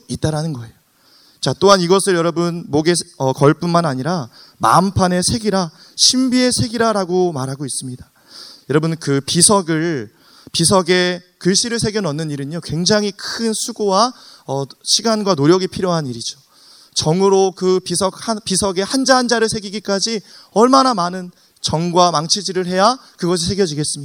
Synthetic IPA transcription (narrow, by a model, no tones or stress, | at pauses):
it͈aɾanɯnɡʌe̞jo | t͡ɕat͈oɦaniɡʌsʰɯɭjʌɾʌbɯnmoɡe̞ʌkʌɭp͈unmanaɲiɾa | ma̰mpʰane̞sʰe̞ɡiɾa | ɕʰimbie̞sʰe̞ɡiɾaɾaɡomaɾɦaɡois͈ɯmɲidḁ | jʌɾʌbɯnkɯpisʰʌɡɯɭ | pisʰʌɡe̞ | kɯɭɕ͈iɾɯɭsʰe̞ɡjʌnʌnːɯniɾɯɲokwe̞ŋd͡ʑaŋɦikʰɯnsʰuɡowaʌɕʰiɡanɡwanoɾjʌɡipʰiɾjoɦaniɾid͡ʑo | t͡ɕʌŋɯɾokɯpisʰʌk̚hpisʰʌɡe̞hand͡ʑaɦːnd͡ʑaɾɯɭsʰe̞ɡiɡik͈ad͡ʑiʌɭmanamanɯn | t͡ɕʌŋɡwamaŋt͡ɕʰid͡ʑiɾɯɭhe̞jakɯɡʌs̬ʰisʰeɡjʌd͡ʑiɡe̞s͈ɯmɲia